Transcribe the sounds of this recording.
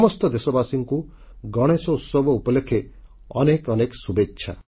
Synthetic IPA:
mɔst̪ɔd̪esɔbasiŋku | ɡɔɽ̃et͡ʃɔut̪sɔbʱɔupɔlekʰe | ɔ̰nekɔneksubetːʃʰa̰

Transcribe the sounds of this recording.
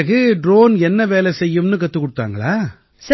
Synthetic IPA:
ɣɯɖɾoːnɛnːɐʋeːlɛsɛjːɯmnɯkɐt̪ːɯkːɔɽɯt̪ːa̰ːŋɡɐɭaː | sɐ

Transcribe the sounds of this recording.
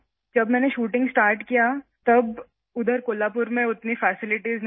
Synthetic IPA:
d͡ʒɐbmɛ̃ːneʃuːʈɪ̃ŋɡsʈaːɾʈkijat̪ɐb | ʊd̪ʱəɾkoːlaːp̬ʊɾmẽʊt̪nifɛːsɪlɪʈizn

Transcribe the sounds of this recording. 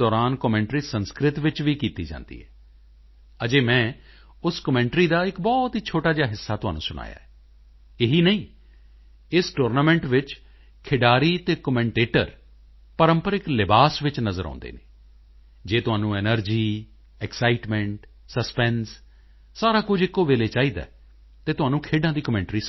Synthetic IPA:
d̪ɔːɾaːnkəmɛ̃ːɳʈɾiːsənskɾɪt̪ʋɪt͡ʃʋiːkiːt̪iːd͡ʒã̰ːnd̪ḭːɦɛː | əd͡ʒeːmɛ̃ː | ʊskəmɛ̃ːɳʈɾiːd̪aːɪkbɔːt̪ɦiːt͡ʃʰoːʈaːd͡ʒaːɦɪsːaːt̪ʊɦa̰ːnṵ̃ːsʊna̰ːja̰ːɛː | eɦiːnəĩː | ɪsʈoːɾnaːmɛ̃ːɳʈʋɪt͡ʃ | kʰɪɖaːɾiːt̪eːkəmɛ̃ːɳʈeːʈə̰ɾ | pəɾəmpəɾɪklɪbaːsʋɪt͡ʃnəzəɾã̰ːnd̪ḛːneː | d͡ʒeːt̪ʊɦaːnũːɛːnəɾd͡ʒiː | ɛksaːɪʈmɛ̃ɳʈ | səspɛnsː | aːɾaːkʊd͡ʒɪkːoːʋeːleːt͡ʃaːiːd̪a̰ː | t̪eːt̪ʊɦaːnũːkʰeːɖãːd̪iːkəmɛ̃ːɳʈɾiː

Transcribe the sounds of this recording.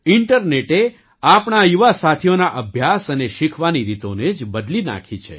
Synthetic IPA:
ɪɳʈəɾneʈe | apɳajuʋasat̪ʰijonaʔəbʱjasəneʃikʰʋaniɾit̪oned͡ʒbəd̪lina̰kʰit͡ʃʰḛ

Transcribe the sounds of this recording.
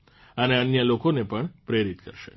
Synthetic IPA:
əneənjəlokonepəɳpɾeɾit̪kə̰ɾʃḛ

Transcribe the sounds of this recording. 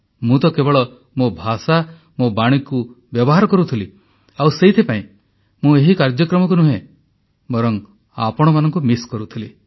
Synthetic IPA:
mũt̪ɔkebɔɭɔ | mobʱasa | mobaɽ̃ikubjɔbɔɦaɾɔkɔɾut̪ʰili | awseɦit̪ʰipaĩ | mũeɦikaɾd͡ʒjɔkɾɔmɔk̬unũɦẽ | bɔɾɔŋ | a̰pɔɽ̃ɔmanɔŋkumiskɔɾut̪ʰili

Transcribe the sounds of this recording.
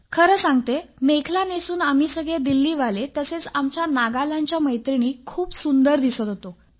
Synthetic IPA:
kʰəɾəːsãŋɡt̪emekʰlanesuːnam̤iːsəɡɭed̪ilːiːʋalet̪əset͡samt͡ɕjanaɡalaɲt͡ɕjaməjt̪ɾiniːkʰuːpsund̪əɾd̪isət̪ɦot̪o

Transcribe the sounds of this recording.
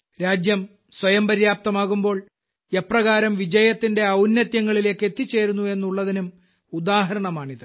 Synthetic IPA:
ɾaːd͡ʑjɐm | swɐjɐmpɐɾjaːp̚t̪ɐmaːɣumbo̞ːɭ | e̞prɐɣaːɾɐmʋid͡ʑɐjɐt̪ːinde̞ɐwnːjɐt̪jɐŋːɐɭile̞ːkːe̞t̪ːit͡ɕːe̞ːɾunːue̞nːuɭːɐðinum | ud̪aːɦɐɾɐɳɐmaːɳiðɨ

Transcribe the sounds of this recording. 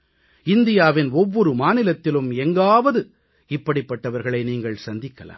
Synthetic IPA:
ɪnd̪ɪjaːʋɪnɔʋːɔɾɯmaːnɪlɐt̪ːɪlɯmɛŋɡaːʋɐðɯ | ɪpːɐɽɪpːɐʈːɐʋɐɾɣɐɭɐɪniːŋɡɐɭsɐnd̪ɪkːɐla̰ːm

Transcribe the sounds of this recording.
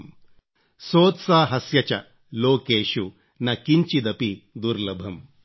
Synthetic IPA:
m | soːt̪saːɦɐsjɐt͡ʃɐ | loːkeːʃu | nɐkiɲt͡ʃid̪ɐpid̪uɾlɐbʱɐm

